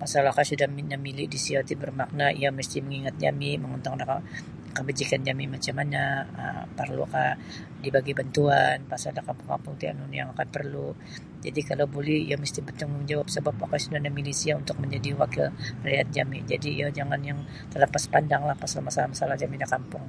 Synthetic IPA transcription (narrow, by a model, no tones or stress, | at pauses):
masalahkasudahminəmilɪʔdisiat̪ibərmak̚naʔḭjaməst̪iməŋiŋat̪̚d͡ʒa̰miməŋɔnt̪aŋdaka | kəbəd͡ʒikand͡ʒamimat͡ʃamanaə̰mpərlṵa̰ka | dibaɡibant̪uanpasaldakanpəŋa̰mpʊŋt̪ia̰nuniaŋakanpərlu | d͡ʒa̰dikalawbolɛhḭjaməst̪ibət̪əŋud͡ʒawap̚səbapakasudahnamilisiaunt̪ʊk̚məɲd͡ʒadiwakɪlrajat̪̚d͡ʒamɪd͡ʒadijad͡ʒaŋanjaŋ | t̪əlapaspandaŋlahpasalmasalahmasalahd͡ʒamidakampʊŋ